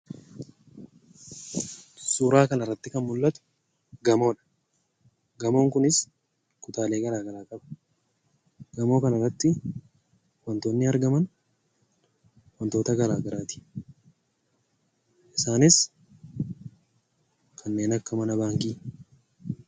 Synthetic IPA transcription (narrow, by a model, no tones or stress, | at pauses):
suːɾaːkɐnɐrːɐt̪ːɪkɐnmʊlːɐt̪ʊ̥ | ɡɐmo̞ːᶑɐ̥ | ɡɐmo̞ːŋkʊnɪs | kʊt̪aːleːɡɐɾaːɡɐɾaːkʼɐbɐ̥ | ɡɐmo̞ːkɐnɐrːɐt̪ːɪ | wɐnt̪o̞ːnːɪɐɾɡɐmɐn | wɐnt̪o̞ːt̪ɐɡɐɾaːɡɐɾaːt̪ɪ̥ | ʔɪsaːnɪs | kʰɐnːe̞ːnɐkːɐmɐnɐbaːŋkiː